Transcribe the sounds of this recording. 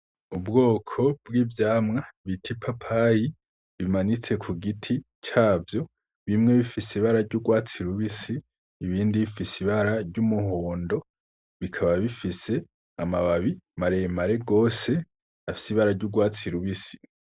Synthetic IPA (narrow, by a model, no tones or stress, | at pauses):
ubɡo̞ːkʰo̞bɡiːvjaːmŋaβitʰipʰapʰaji | βimanit͡se̞kʰuɡitʰi | t͡ʃaːvjo̞ | βimŋe̞βifisiβaɾaɾɟuɡwaːt͡siɾuβisiː | βiːndiβifisiβaɾaɾɟumuɦoːndo̞ | βikʰaβaβifise̞ | amaβaβimaɾemaɾe̞ɡo̞ːse̞ | afi̥siβaɾaɾɟuɡwaːt͡siɾuβisi̥